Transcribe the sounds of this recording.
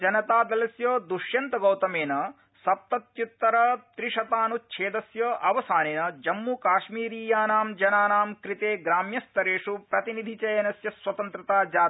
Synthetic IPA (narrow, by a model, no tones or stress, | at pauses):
d͡ʒɐnɐt̪aːd̪ɐlɐsjoːd̪uʃjɐnt̪ɐɡɐwt̪ɐmeːnɐ | sɐp̚t̪ɐt̪jut̪ːɐɾɐt̪ɾiʂɐt̪aːnut͡ʃʰeːd̪ɐsjɐːʔɐʋɐsaːneːnɐd͡ʒɐmːukaːʃmiːɾiːjaːnaːmd͡ʒɐnaːnaːmkɾit̪eːɡɾaːmjɐst̪ɐɾeːʂupɾɐt̪inid̪ʱit͡ʃɐjɐnɐsjɐswɐt̪ɐnt̪ɾɐt̪aːd͡ʒaː